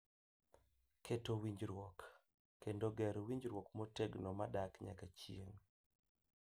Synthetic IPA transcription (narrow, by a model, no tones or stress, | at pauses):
kʰetowiɲd͡ʒɾwɔkː | endoɡɛɾwiɲd͡ʒɾwɔkmɔteɡnɔmadakɲa̰kat͡ʃieŋ